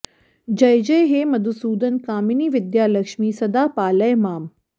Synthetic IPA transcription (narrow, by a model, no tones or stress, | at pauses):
d͡ʑɐjd͡ʑejɦeːmɐd̪usuːd̪ɐnkaːminiːʋɪd̪jaːlɐkʃmiːsɐd̪aːpaːlɐjmaːm